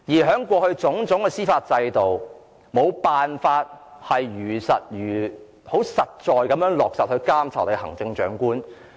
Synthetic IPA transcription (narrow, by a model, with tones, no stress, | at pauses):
jiː˨˩ɦœː˨˥ŋkʷɔː˧hɵ˧ɥt͡sʊ˨˥ŋt͡sʊ˨˥ŋkɛː˧siː˥faː˧t̚t͡sɐ˧jt̪o˨w | mo˨˧wpaː˨nfaː˧t̚hɐ˨jjyː˨˩sɐ˨t̚jyː˨˩ | ho˨˥wsɐ˨t̚t͡sɔː˨˧jkɐ˨˥mjœː˨˥ŋlɔː˨k̚sɐ˨˩hɵ˧kaː˥mt͡sʰɐ˨˩t̪hɐ̰˨˩ŋt͡sɪ˧ŋt͡ʃœ̰ː˨˥ŋkuː˥n